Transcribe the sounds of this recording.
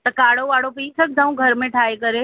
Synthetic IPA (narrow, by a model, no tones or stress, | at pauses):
t̪ɐkaːɽoʋaːɽopiːt͡ʃʰək̚d̪ʱãũɡʱəɾmẽʈʰaːekəɾe